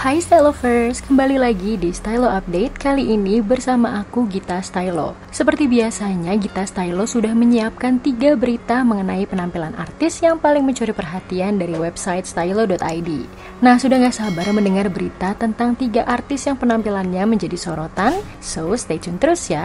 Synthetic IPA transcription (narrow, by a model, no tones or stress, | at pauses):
hajst̪alofərskəmbalilaɡidist̪ajloap̚det̪̚kaliʔːnibərsamaʔakuɡit̪ast̪ajlo̰ | səpərt̪ibiasaɲaɡit̪ast̪aijlosudahməɲiap̚kant̪iɡabəɾit̪aməŋənaipənampilanʔa̰rt̪ɪsjaŋpalɪŋməɲt͡ʃuɾipərɦat̪iandaɾiwɛbsait̪̚st̪ailodɔt̪ajdi | nahsudahŋɡaʔsabarməndəŋarbəɾit̪at̪ənt̪aŋt̪iɡaʔart̪ɪsjaŋpənampilanɲaməɲd͡ʒadisoɾot̪an | sost̪etɔnt̪əɾʊsja